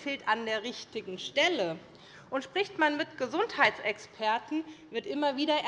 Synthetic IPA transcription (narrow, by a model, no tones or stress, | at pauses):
feːltandeːɐʁɪçtɪɡŋ̩ʃtɛlə | ʔʊntʃpʁ̥ɪçtmanmɪtɡ̥əzʊnthaɪtt͡sʔɛkspʰɛɐtn̩vɪɐtʔɪmɐviːdɐʔ